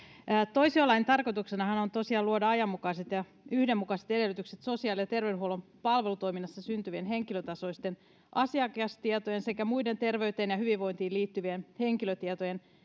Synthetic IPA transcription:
t̪oisiolɑint̪ɑrko̞t̪uksenɑhɑnont̪osiɑːluodɑɑjɑmːukɑiset̪jɑ | yhdemːukɑˑset̪edelːˑyt̪ykset̪so̞siɑːlijɑt̪erʋedhuolompɑlʋelut̪o̞jminːɑsːɑsynt̪yʋienɦeŋkiløt̪ɑso̞ist̪en | ʔɑsiɑkɑst̪iet̪ojense̞kæmuide̞nt̪e̞rʋeyt̪eːnjɑhyʋiʋːo̞int̪iːliːt̪ːyʋienheŋkiløt̪iet̪ojen

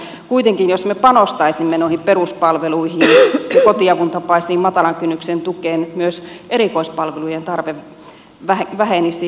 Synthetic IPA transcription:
kuit̪eŋkinjosmepɑnost̪ɑisimːenoˑihimperuspɑlʋeluihinkot̪iɑʋunt̪ɑpɑisiːmmɑt̪ɑlɑŋkynːyksent̪ukeːnmyøseɾikoispɑlʋeluijent̪ɑrʋeʋ | ʋæeʋæhenisi

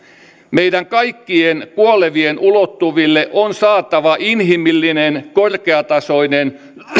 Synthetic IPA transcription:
meidæŋkɑikːienkuoleʋienʔulot̪ːuʋilːeʔonsɑːt̪ɑʋɑʔinɦimilːinenkorkeɑt̪ɑsoinen

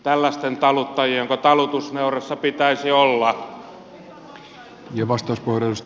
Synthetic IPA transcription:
t̪ælːæst̪ent̪ɑlut̪ːɑjieoŋkot̪ɑlut̪usneuresːɑpit̪æisiolːɑ | jɑʋɑst̪ɑuspohreus

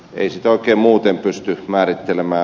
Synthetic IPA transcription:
ḛisit̪oˑikeːmmuːt̪empyst̪ymæːrit̪ːelemæː

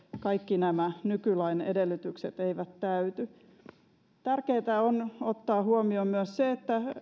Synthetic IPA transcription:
kɑikːinæmænykylæinḛdelːyt̪yksḛt̪eiʋæt̪tæyt̪y | t̪ærkeːt̪æonot̪ːɑːhuomiomyøsseet̪ːæ

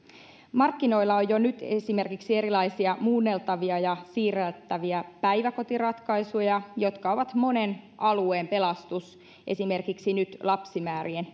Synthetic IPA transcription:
mɑrkːino̞ilːɑojjonyt̪esime̞rkiksieɾilɑisiɑmuːnːe̞lt̪ɑʋiɑjɑsiːrælt̪ːæʋiæpæjʋæko̞t̪irɑt̪kɑisujɑjo̞t̪kɑo̞ʋɑt̪mo̞ne̞nʔɑlueːmpe̞lɑst̪us | ʔe̞sime̞rkiksinyt̪lɑpsimæːɾien

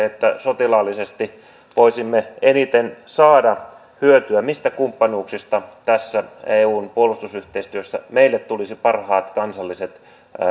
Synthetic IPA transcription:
et̪ːæsot̪ilɑlːisest̪i | ʋoisimːeenit̪ensɑːdɑ | hyøt̪yæmist̪ækumpːɑnuːksist̪ɑt̪æsːæeːuːnpuolust̪usyht̪eist̪yøsːæ̰meilːet̪t̪ulisipɑrhɑːt̪kɑnsɑlːiset̪

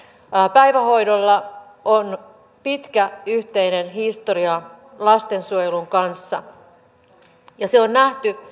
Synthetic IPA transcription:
pæjʋæho̞jdolːɑ | on | pit̪kæyht̪e̞inenɦist̪oɾiɑ | lɑst̪e̞nsuojeluŋkɑnsːɑ | jɑseonnæht̪y

